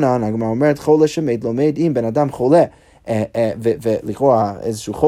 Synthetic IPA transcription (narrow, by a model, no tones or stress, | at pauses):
nanaɡmaɾaɔmɛɾɛtχolˠɛʃɛmeɪdlˠomeɪdimbɛnadamχolˠɛ | vvlˠiχɔaḛɪzəʃuːχo